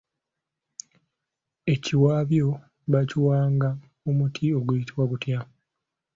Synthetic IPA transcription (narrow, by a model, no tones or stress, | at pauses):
e̞ciwaːβjo̞ | βaciwaːŋɡa | omutʰio̞ɡujitiwakutja